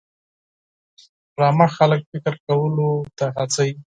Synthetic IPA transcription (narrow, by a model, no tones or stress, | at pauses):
ɾɑmaxalək̚fɪkɾkawəlot̪aɦat͡sawi